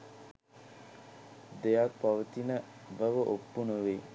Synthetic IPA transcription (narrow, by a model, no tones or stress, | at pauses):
d̪ejak̚paʋət̪inəʋəʋəʔopːunuʋe